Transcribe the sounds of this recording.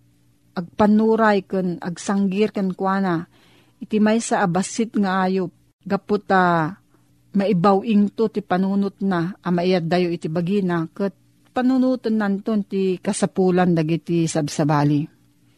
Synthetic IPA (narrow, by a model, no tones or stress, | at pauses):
ʔaɡ̚panuːɾajkəna̰ɡsaŋɡɪɾkankwana | ʔɪt̪imajsaʔːbasɪt̪̚ŋaʔaːjo | ɡapʊt̪a | maibawʔiŋt̪ot̪ipanuːnʊt̪̚naamaʔijat̪̚d̪ajoʔit̪ibaɡinakət̪̚ | panunut̪ənːant̪ont̪ikasapuland̪aɡit̪isabsabaːli